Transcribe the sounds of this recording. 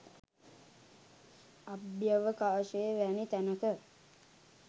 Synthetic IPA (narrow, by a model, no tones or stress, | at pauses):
abjəʋəkaːʃejːʋænit̪ænəkə